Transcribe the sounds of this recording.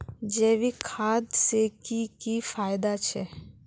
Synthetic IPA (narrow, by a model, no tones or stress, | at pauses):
d͡ʒeːʋikʰaːd̪seːkikifaːjd̪at͡ʃʰɛ